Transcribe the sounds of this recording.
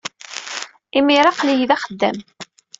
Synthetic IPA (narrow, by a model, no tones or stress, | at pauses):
imiɾɑqlijðæχəd̪ːæ̰m